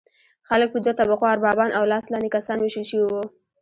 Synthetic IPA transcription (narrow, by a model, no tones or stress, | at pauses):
xalək̚pəd̪wat̪abaqoaɾbɑbɑnʔawlɑslɑnd̪ekasɑnweʃəlʃəwiwu